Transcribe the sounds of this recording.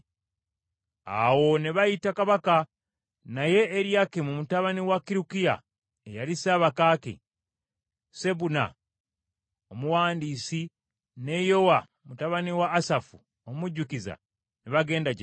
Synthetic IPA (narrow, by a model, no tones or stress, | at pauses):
a̰wo̞neβajitakaβaka | naje̞ːɾjakemumutaβaniwakiɾukija̰ | ejalisaːβakakḛ | se̞βuna̰ | omuwaːndisi | ne̞jo̞wa | mutaβaniwaːsafu | omuɟːukiza̰ | neβaɡe̞ːndaɟe